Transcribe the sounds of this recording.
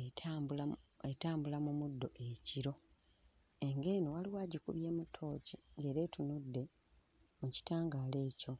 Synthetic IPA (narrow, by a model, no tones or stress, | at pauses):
ea | etaːmbulamumudːo̞ʔe̞ciɾo̞ | e̞ŋɡe̞ːnowaliwaːɟikṵβje̞ːmutʰːo̞ːciŋɡe̞ːɾe̞ːtunudːe̞ | muci̥taːŋɡaːle̞ːco̞